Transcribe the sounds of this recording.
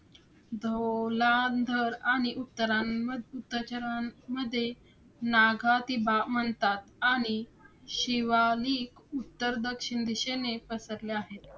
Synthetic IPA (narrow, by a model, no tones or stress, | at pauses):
d̪ʱoland̪ʱəɾaɽ̃iʔut̪ːəɾaut̪ːət͡ɕəɾaməd̪ʱːje | naɡʱat̪ibamənt̪at̪aɽ̃iɕiʋaliːkut̪ːəɾd̪əkʂiɳd̪iɕenepəsəɾleaɦet̪